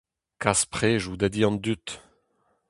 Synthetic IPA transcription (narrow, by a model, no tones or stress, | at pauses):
kaspχeːʒud̪ad̪iɑ̃nd̪yt̪